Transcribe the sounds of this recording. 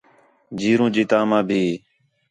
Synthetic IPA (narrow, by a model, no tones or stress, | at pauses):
d͡ʒiːɾũːd͡ʒiːt̪aːmãːbʱiː